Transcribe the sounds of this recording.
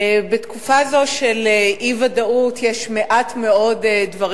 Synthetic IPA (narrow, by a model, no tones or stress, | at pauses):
betkufazo̞ʃeleʔivadautjeʃmeʔatme̞o̞dedvɐʁ